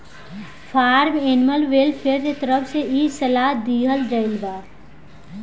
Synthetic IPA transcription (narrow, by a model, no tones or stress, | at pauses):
pʰaːɾmeːnməlʋelpʰeɾt̪et̪əɾəpʰseiːsəlaːd̪iːɦəld͡ʒəɪlbaː